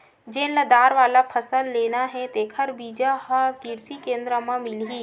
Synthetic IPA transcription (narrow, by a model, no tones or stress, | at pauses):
d͡ʒeːnləd̪aːɾʋaːlapʰəsəlːeːnaɦɛt̪eːkʰəɾbiːd͡ʒaɦakiɾsikẽːnd̪ɾəmãmɪlɦiː